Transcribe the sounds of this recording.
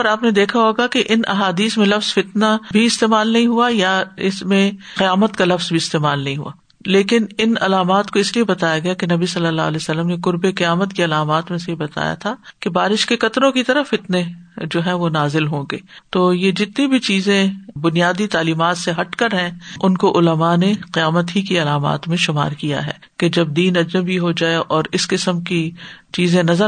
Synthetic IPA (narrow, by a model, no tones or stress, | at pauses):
ɾaːpned̪eːkʰaɦoːɡakeʔɪnʔɐ̰ɦaːd̪iːsmẽlɐfz̥fɪt̪nabʱiɪst̪eːmaːlnɐɦĩɦuajaɪsmẽ | qɪjaːmət̪kalɐfz̥bʱiɪst̪eːmaːlnɐɦĩɦṵa̰ː | leːkɪnɪnɐlaːmaːt̪koɪsliebɐt̪aːjaɡɐjakenɐbisɐlːəlːaːlɛːsɐlːəmneqʊɾbeqɐjaːmət̪kiɐlaːmaːt̪mẽsejebɐt̪a̰ːja̰t̪ʰakebaːɾɪʃkekɐt̪ɾõkit̪ɐɾəfɪt̪ned͡ʒoːɦɛ̃ʋonaːzɪlɦõːɡḛːt̪oːjed͡ʒɪt̪nibʱit͡ʃiːzẽbʊnijaːd̪it̪aːliːmaːt̪seɦɐʈkɐɾɦɛ̃ʊnkoʔʊləmaneqɪjaːmət̪ɦikiɐlaːma̰ːt̪mẽʃʊma̰ːɾkija̰ɦɛ̰ːked͡ʒɐb̚d̪iːnɐd͡ʒnəbiɦod͡ʒaːeʔɔːɾɪskɪsəmkit͡ʃiːzẽnɐzə